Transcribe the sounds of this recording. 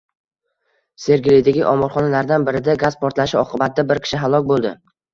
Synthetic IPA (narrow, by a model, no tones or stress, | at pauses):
se̞ɾɡʲɪlɪjd̪aɡʲɪʔɒmɒɾˠχɒnalaɾd̪anbɪɾɪd̪aɡazpʰɒɾt̪laʃɪɒqʰɨbat̪̚ʰd̪abɪɾkʲʰɪ̥ʃɪɦalˠɒkʲbolˠd̪ɪ